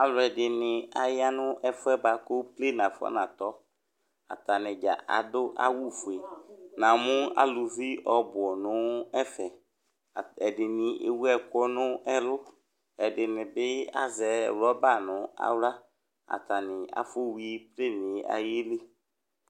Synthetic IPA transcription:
a˨lʊ˨ɛ˨dɪ˨nɪ̃˨a˨jɪ˦a˦nʊ˦ʔɛ˦fʊ˦ɛ˦ba˨ko˦ple˦˨n˨ã˨fʊ˦a̰˦nã˨t̪ɔ˨˦ | a̰˨ta˨nɪ̃˨d͡ʒa̰˨ʔa̰˨dʊ˦ʔa̰˦wu˦˨fʊ˨e˨nã˨mʊ̃˦a̰˦lʊ˨vi˦ʔɔ˨bʊ˨ɔ˨nʊ̃˦ɛ˦fɛ˨ | ɛ˨dɪ˨nɪ̃˨ʔḛ˨wu˦ɛ˦kɔ˦nʊ̃˦ɛ˦lʊ˦ | ɛ˨dɪ˨nɪ̃˨bɪ˦a̰˦zɛ̰˨˦˨wlɔ˦ba˦˨nʊ̃˨˦a̰˦wla˦ | a̰˨ta˨nɪ˨a̰˨fo˦wi˦i˦ple˦˨nɪ˨˦a̰˨je˦le˦

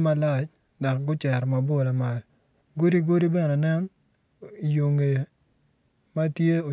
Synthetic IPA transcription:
ma˦la˦˨t͡ʃ | dɔ˨k̚ɡʊ˦t͡ʃɛ˨ɾma˨bo˦˨la˨ma˨l | ɡo˦di˦ɡo˦ɾi˦bɛ˦nɛ˨nɛ˦ŋ˨ | jo˨ŋe˨ | ma˦tje˦o˨

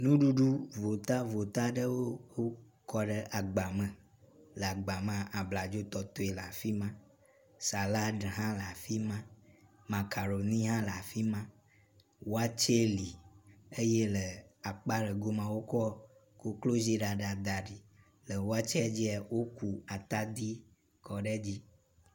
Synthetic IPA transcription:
nũ˦ɖu˦ɖu˦vo˨t̪a˦vo˨t̪a˦ɖə˦wo˦wo˦ | kɔ˦ɖə˦ʔa˨ɡ͡ba˨mə̃˨ | lə˨a˨ɡ͡ba˨mã˦a˦˨ʔa˨bla˨d͡ʒo˦t̪ɔ˨t̪o˦e˨la˨fi˦mã˦ | sa˨la˦ɖə˨ɦã˦la˨fi˦mã˦ | mã˨ka˨ɾo˨nĩ˦ɦã˦la˨fi˦mã˦ | wo˦a˦t͡ʃe˦li˨e˦je˦lə˨a˨k͡pa˦ɖə˨ɡo˦mã˦wo˦kɔ˦ | ko˦klo˦zi˦ɖa˨ɖa˨d̪a˨ɖi˨ | lə˨wo˦a˦t͡ʃɛ˦d͡ʑi˦a˨wo˦ku˨a˨t̪a˦d̪i˦ | kʰɔ˨ɖe˦d͡ʑi˦

